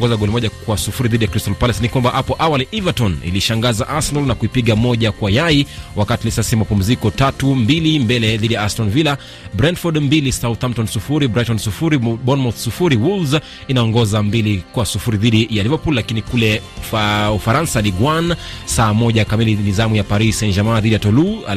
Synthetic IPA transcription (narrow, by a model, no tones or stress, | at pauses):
ɔŋɡɔzaɡɔlimɔʄakwasufuɾiðiɗijakɾistɔlpalɛsnikwambahapɔʔawaliʔivatɔnḭliʃaŋɡazaʔasɛnɔlnakuipiɠamɔʄakwajaiwakatilisasimapum̩zikɔtatumbilimbɛlɛðiɗijaastɔlvila | bɾɛndfɔdmbilisaːuθam̩tɔnsufuɾibɾajtɔnsufuɾiɓɔnmɔθsufuɾiwulz | inaɔŋɡɔzambilikwasufuɾiðiɗijalivapullakinikulɛ | ufaɾansaɗiɡwansaːmɔʄakamilinizamujapaɾisɛnd͡ʒamaːðiɗijatɔlu